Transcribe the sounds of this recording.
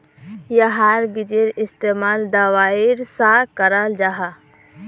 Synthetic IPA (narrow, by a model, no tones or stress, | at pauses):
jəɦaɾbid͡ʒeɾɪst̪emaːld̪awaiɾsakəɾald͡ʒaɦa